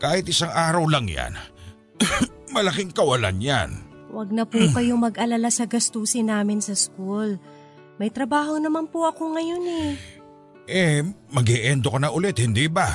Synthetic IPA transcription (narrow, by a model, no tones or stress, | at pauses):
kaːhɪt̪̚ʔɪsaŋʔaːɾɐwlɐŋja̰n | mɐlɐkiŋkɐwɐla̰nja̰n | wɐɡ̚nɐpuːkɐjomɐɡʔɐlɐlasɐɡɐst̪uːsɪnaːmɪnsɐskul | mɐjt̪ɾɐbaːɦo̞nɐmanpuʔɐko̞ŋɐjo̞nɛ | ʔɛmɐɡɛʔɛnd̪okɐnɐʔʊlɛt̪̚hɪnd̪iba